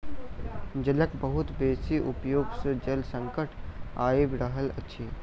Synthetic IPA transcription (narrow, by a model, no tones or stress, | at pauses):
d͡ʒɐləkbəɦʊt̪beːsiʔupjoːɡsəd͡ʒɐlsə̃ŋkəʈʰaːebɾəɦəlɐ̰tːʃʰiː